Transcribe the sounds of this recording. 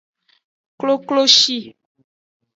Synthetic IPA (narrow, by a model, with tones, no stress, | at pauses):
klo˦klo˦ʃi˦